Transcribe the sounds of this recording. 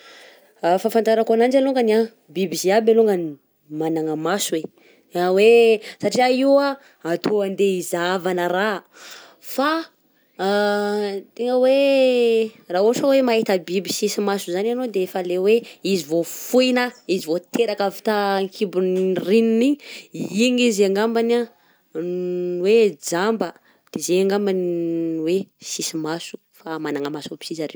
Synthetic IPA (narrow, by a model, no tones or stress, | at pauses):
fafant̪aɾakanand͡ʒaluŋɡania | bibiziabaluŋɡani | manaŋəmasue | awesaʈ͡ʂiaiwa | at̪oand̪eizavanəɾa | fa | t̪eŋəwe | raoʈ͡ʂawemaɦet̪əbibisisimasuzananod̪eefəleweizivofuinəizivot̪eɾakavi̥t̪aŋkʰibunrinuniiŋizaŋɡambana | wed͡zambə | d̪̥ezeaŋɡambanwesisimasu̥ | famanaŋəmasobi̥sizaɾe